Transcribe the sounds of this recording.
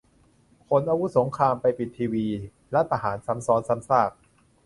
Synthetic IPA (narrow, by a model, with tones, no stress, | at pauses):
kʰo˧˥nʔaː˧wu˦˥so˩˦ŋkʰɾaː˧mpa˧jpi˨˩t̪ʰːiː˧wiː˧ | lɛ˦˥t̪ʰa˧haː˩˦nsa˩˦˥msɔː˨˦˥nsa˨˦˥msaː˥˩k̚